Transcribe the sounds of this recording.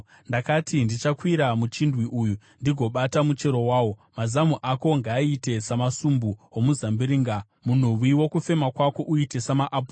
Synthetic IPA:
ndakatʰindit͡ʃakwiɾamut͡ʃindwiʔuju | ndiɡʱo̞ɓatamut͡ʃe̞ɾo̞waːwo̞mazamuʔako̞ŋɡaːite̞samasumbuomuzambiɾiːŋɡa | mun̤uwiwo̞kufe̞makwako̞ʔuite̞samaʔap

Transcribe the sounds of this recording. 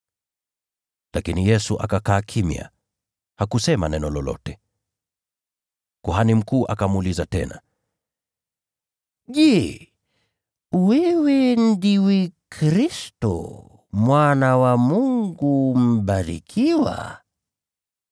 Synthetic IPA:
lakinijɛsuʔakakaːkʰimja̰ | hakusɛma̰nɛnɔlɔlɔ̰tɛ | kuɦanim̩kuːʔakamulizatɛna̰ | ʄɛ | wɛwɛn̩diwɛkʰɾistɔ̰ | mwanawamuŋɡum̩ɓaɾḭkʰiwa̰

